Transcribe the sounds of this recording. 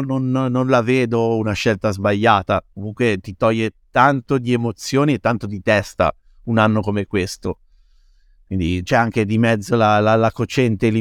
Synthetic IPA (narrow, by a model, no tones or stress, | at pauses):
nonːonlaveːd̪ounaʃːɛlt̪azbaʎːaːt̪akomuŋkwet̪it̪ɔjːet̪ant̪od̪iemot̪sːjoːniet̪ːant̪od̪it̪ɛst̪a̰ | unanːokomekwest̪o | kwind̪it͡ʃɛaŋk̟ed̪imɛd̪zːolalalakot͡ʃɛnt̪eli